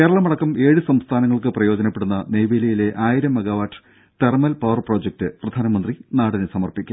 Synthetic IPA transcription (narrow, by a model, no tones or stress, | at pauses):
ke̞ːɾɐɭɐmɐɽɐkːɐme̞ːɻɨsɐmst̪ʰaːnɐŋːɐɭkɨprɐjo̞ːd͡ʑɐnɐpːe̞ɽunːɐnejbiːlɐjile̞ʔaːjiɾɐmːɐɣaːʋaːʈ | termɐlpɐʋɐrpro̞ːd͡ʑek̚tɨprɐd̪ʱaːnɐmɐnd̪rinaːɽinɨsɐmɐrpikʲːu